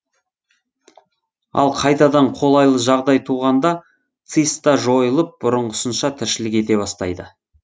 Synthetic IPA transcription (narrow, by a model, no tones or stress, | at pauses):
ɑ̰lˠqʰɑjt̪ɑd̪ɑɴqʰo̞lˠɑjlˠəʒɑʁd̪ɑjt̪ʰuʁɑnd̪ɑ | t̪sist̪ɑʒo̞jəlˠəp̚bʊɾəɴʁəʊsənʃɑt̪ʰɪɾʃɪlɪk̬ʲe̞t̪e̞βɑst̪ɑ̰jd̪ə